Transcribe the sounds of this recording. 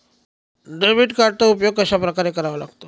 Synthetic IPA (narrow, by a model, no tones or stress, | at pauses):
ɖəbiʈkaɾt̪aupjoɡ̚kəɕapɾəkaɾekəɾaʋəla̰ɡt̪o